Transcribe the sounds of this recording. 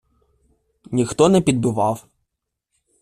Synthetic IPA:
nʲixt̪ɔnɛpʲid̪̚bʊʋɑw

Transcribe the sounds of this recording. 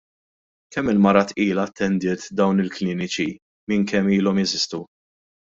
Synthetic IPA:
kɛmːɪlmɐɾɐt̪ʔiːlɐt̪ʰːɛnd̪ɪːt̪d̪ɐwnɪlklɪːnɪt͡ʃi | mɪŋkɛmːiːlɔmɛzɪst̪u

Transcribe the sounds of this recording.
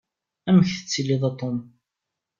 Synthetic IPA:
æməçθə̥t͡sːilːiðˤɑt̪ˤom

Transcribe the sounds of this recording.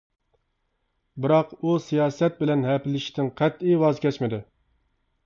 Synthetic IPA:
bɪɾɑqusijɑːsɛt̪̚bɪlɛnɦɛpɪlɪʃi̥t̪ɪŋqʰɛt̪ijwɑzkʲʰɛt͡ʃmɪd̪ɪ

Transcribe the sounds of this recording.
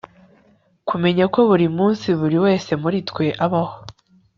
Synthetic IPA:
kume̞ɲako̞βuɾimuːnsiβuɾiwe̞ːse̞muɾitkwe̞ʔaβaho

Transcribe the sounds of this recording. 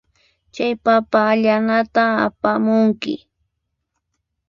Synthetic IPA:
t͡ʃajpapaːʎanat̪aa̰pamʊŋkɪ̰

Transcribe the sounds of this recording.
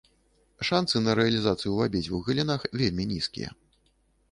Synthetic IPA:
ʂansɨnɐɾɛɐlʲizat̪sɨjuvabʲit͡sʲuɣɨlʲinaxvʲelʲmʲinʲiskʲḭjɐ̰

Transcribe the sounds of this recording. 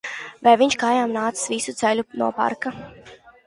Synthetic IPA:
vajviɲʃkajaːmnaːt̪sɨ̥svisut̪sɛʎʲunuɔpa̰ɾka

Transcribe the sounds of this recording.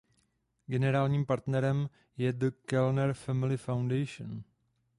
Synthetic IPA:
ɡɛnɛɾaːlɲiːmpaɾt̪nɛɾɛm | jɛd̪əkɛlnɛɾfɛmɪlɪfawndɛjʃo̰n

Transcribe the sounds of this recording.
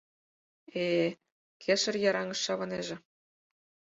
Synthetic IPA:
e | kʰeʃɤ̆rjɑɾɑŋɤ̆ʃːɑβɤ̆neʒĕ

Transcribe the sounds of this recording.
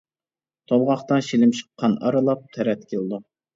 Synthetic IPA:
t̪ʰolˠʁɑχt̪ɑʃilɪmʃə̥qʰːɑnɑɾɨlˠɑp̚t̪ʰɛɾɛt̪kʲʰelˠd̪u

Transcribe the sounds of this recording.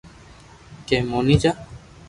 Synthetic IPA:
kemonid͡ʒa

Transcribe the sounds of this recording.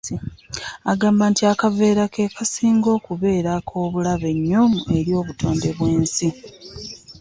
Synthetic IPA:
aɡaːmbaːntiakave̞ːɾake̞kasiːŋɡo̞ːkuβe̞ːɾakʰo̞ːβulaβe̞ɲːomue̞ɾjo̞ːβutʰo̞ːnde̞βwe̞ːnsi

